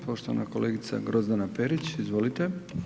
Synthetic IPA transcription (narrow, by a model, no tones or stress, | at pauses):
po̞ʃt̪oʋa̰na̰ko̞le̞ːɡit̪sa̰ɡɾo̞zd̪anapeɾit͡ɕizʋo̞lit̪e